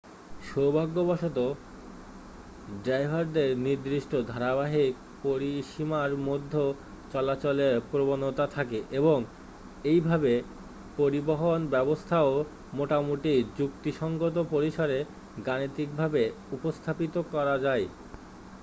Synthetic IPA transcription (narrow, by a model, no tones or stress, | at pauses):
ʃowbʱaɡːobaʃot̪o | ɖɾajɦaɾd̪eɾniɾd̪ɾiʃʈod̪ʱaɾaβaɦik̚ | poɾiʃimaɾmod̪ʱːo | t͡ɕɔlat͡ɕoleɾpɾobonot̪at̪ʰakeʔeboŋ | ejbʱabe | poɾiboɦonbɛbost̪ʰao | moʈamoʈid͡ʑukt̪iʃɔŋɡot̪̬opoɾiʃaɾe | ɡanit̪ik̚bʱabe | upost̪ʰapit̪okɔɾad͡ʑae